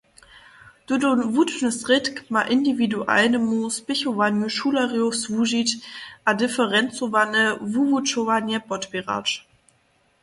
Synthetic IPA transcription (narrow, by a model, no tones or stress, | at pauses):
d̥udonvutnəsʁɪtkmaʔɪndividuʔa̰nəmuspɪçovanjuʃulaʁiosvuʒitʔadɪfəʁɛnt͡sovanəvuvut͡ʃovanjəbɔtbiʁa̰t͡ʃ